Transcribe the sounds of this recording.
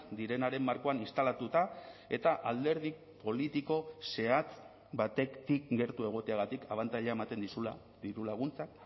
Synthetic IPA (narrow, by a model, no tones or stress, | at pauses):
d̪iɾe̞naɾe̞mːaɾko̞aninst̪alat̪ut̪ae̞t̪aʔald̪e̞ɾð̞i | po̞lit̪iko̞se̞at͡s | bat̪e̞t̪ikɡe̞ɾt̪ue̞ɣ̞o̞t̪eaɣat̪ikaβant̪aʎeaemat̪e̞nd̪isula | ðiɾulaɣ̞unt͡sak